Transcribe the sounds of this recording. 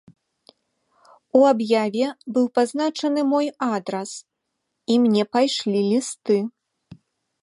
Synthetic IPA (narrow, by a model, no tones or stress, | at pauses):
uabjavʲɛbɨwpaznat͡ʂɐnɨmɔjad̪ɾɐs | imnʲɛpajʂlʲilʲist̪ɨ